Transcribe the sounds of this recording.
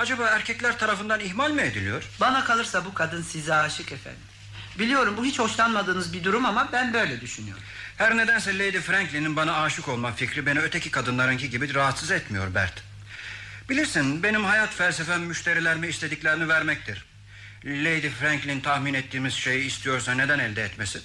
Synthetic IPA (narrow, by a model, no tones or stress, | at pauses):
ad͡ʒabaːæɾcʰɛclʲæɾt̪ʰaɾafɯnd̪aniçmalʲmie̞d̪ilʲijo̞ɾ̥banakʰalˠɯɾsabukʰad̪ɯnsizɛaːʃɯkɛfæ̰nd̪i | bilʲijo̞ɾumbuɦit͡ʃho̞ʃlˠanmad̪ɯːnɯzbid̪uɾumamabænbø̞jlʲɛd̪yʃynyjo̞̰ɾ | hæɾne̞d̪ænsɛlʲejd̪ifɾæɲclʲininbanaaːʃɯko̞lˠmaficʰɾibe̞niøt̪ʰecikʰad̪ɯnlˠaɾɯŋciɟibiɾaɦat̪sɯzɛt̪mijo̞̰ɾbæ̰ɾt̪ | bilʲiɾsinbe̞nimhajat̪fælʲsefæmmyʃt̪ʰe̞ɾilʲæɾmiːst̪ʰe̞d̪icʲlʲeɾinivæɾmɛc̚t̪ʰiɾ̥ | lʲejd̪ifɾæɲklʲint̪ʰahminɛt̪ʰːiːmiz̥ʃe̞jiːst̪ʰijo̞ɾsane̞d̪ænɛlʲd̪ɛɛt̪mesi